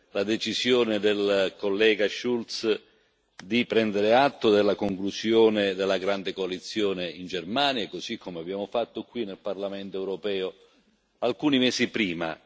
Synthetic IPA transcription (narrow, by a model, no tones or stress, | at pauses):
lad̪et͡ʃisjoːnɪd̪elkolːɛːɡaʃult̪s | d̪ipɾɛnd̪eɾeat̪ːod̪elːakoŋklusjoːned̪elːaɡɾand̪ekoalit̪sːjoːneind͡ʒermaːnjakosikʰːomeabːjaːmofat̪ːokːwinelparlamɛnt̪oɛwɾopɛːo | alkuːnimɛːsipɾiːma̰